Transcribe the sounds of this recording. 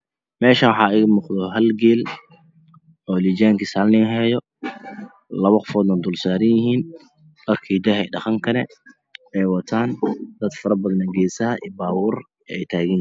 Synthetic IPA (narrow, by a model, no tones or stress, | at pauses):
mɛːʃɐnwħɑːɪɣmʊqd̪ɔɦɐlɡɛːl | ɔːlid͡ʒaːŋkisaːlnɪŋɦɛːjɔ | lɐβɐqɔfɔːd̪nɐnd̪ʊlsaːɾɪnjɪɦiːn | mɐrkʰiːd̪ɐɦɛ̰jɖɑχɐŋkʰɐnɛ̰ | ɛjwɑt̪ʰaːnd̪ɐd̪fɐɾɐbɐðɐnɐŋɡɛːsɐhɐʔḭːbaːwuːr | ɛɛjt̪ʰaːɣɪn